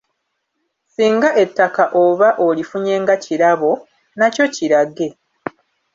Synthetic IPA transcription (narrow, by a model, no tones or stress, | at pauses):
siːŋɡaʔe̞tːakaʔo̞βaʔo̞lifuɲe̞ːŋɡaciɾaβo̞ | naco̞ciɾaɡe̞